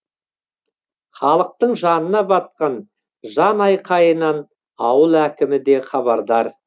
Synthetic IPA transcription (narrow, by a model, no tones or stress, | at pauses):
χɑlˠəq̚t̪əɴʒɑnənɑbɑt̪̚qɑn | ʒɑnɑjqʰɑjənɑn | ɑwəlˠækʲɪmɪd̪e̞χɑβɑɾd̪ɑɾ